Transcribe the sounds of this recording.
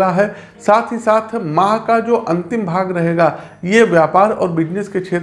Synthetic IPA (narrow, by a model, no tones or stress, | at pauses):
aɦɛ | saːt̪ʰɦisaːt̪ʰmaːkad͡ʒoːʔɐ̃nt̪ɪmbʱaːɡɾɐɦeːɡa | jeʋjaːpaːɾɔ̰ːɾbɪd͡ʒnesket͡ʃʰeːt̪